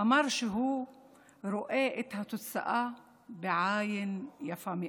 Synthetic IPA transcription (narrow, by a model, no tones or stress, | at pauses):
amɑɾˤʃiɦuː | ɾʊʔeːʔɪt̪hat̪ʊt̪sa̰ʔa | bɪʕaːjɪnjafami